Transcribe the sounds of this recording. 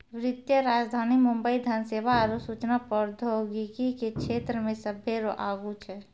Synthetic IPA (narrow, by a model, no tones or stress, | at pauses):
ʋɾɪt̪jəɾaːd͡ʒd̪ʱaːnimumbəid̪ʱənseʋaəɾosut͡ʃnapəɾd̪ʱoɡikikekʃʰet̪ɾəmẽsəbʱjeɾoʔaɡut͡ʃʰɛ